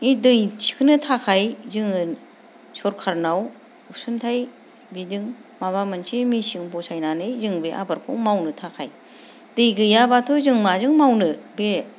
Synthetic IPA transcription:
idɯjsi̥kʰɯnɯtʰakʰajzɯŋɯ | sɔɾkʰaɾnaw | usuntʰaj | bidɯŋmaβamɯnsimisiŋbɔsajnanɯjzɯŋbeʔa̰baɾkʰo̰wmawnɯtʰakʰaj | dɯjɡɯjabatʰuzɯŋmazɯŋmawnɯbe

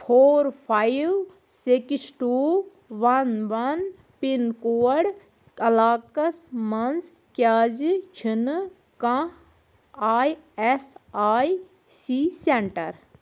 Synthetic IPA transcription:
pʰoːɾpʰajʋ | siksʈuː | ʋɐnʋɐn | pinkoːəɽ | ɐlaːkɐsmɐnz | kaːzt͡ʃʰin | kã | aːjesaːj | siːseɳʈɐɾ

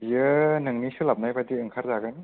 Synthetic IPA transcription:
jɯnɯŋnisulap̚najbadiɯŋkʰaɾzaɡɯn

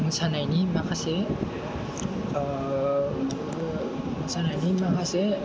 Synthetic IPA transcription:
mɯsanajnimakʰase | mɯsanajnimakʰase

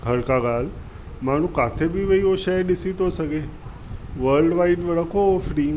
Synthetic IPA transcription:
kʰəɾkaɡal | maɽ̤̃ũkat̪ʰebiʋəioɕaɖisit̪osəɡe | ʋəɾlɖʋaiʈʋəɽəkofɽiŋɡ

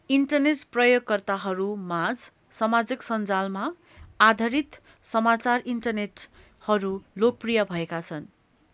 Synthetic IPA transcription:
iɳʈʌrneʈprʌjoɡ̚kʌrt̪aɦʌɾumad͡z | sʌmad͡ziksʌnd͡zalma | ad̪ʱʌɾit̪ | sʌmat͡sariɳʈʌrneʈ | hʌɾulok̚prijʌbʱʌekat͡sʰʌn

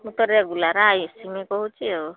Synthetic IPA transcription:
ut̪ɔɾjaɡulaɾaajusiŋekɔɦut͡ʃʰio

